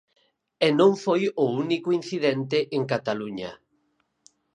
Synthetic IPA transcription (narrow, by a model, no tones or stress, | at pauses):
enõŋfojounikʊin̟θiðɛnt̪eʔeŋkat̪aluɲa